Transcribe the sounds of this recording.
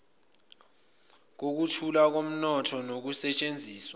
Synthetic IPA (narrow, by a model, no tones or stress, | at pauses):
k̬ok̬utʰulak̬om̩nɔtʰɔnok̬usɛt͡ʃʼend͡zʱiːswa